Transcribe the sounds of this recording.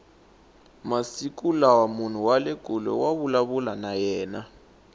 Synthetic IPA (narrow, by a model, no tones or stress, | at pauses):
masik̬ʼulawamun̤uwaleɡ̥ʱulɔ̰waβulaβulanajɛːna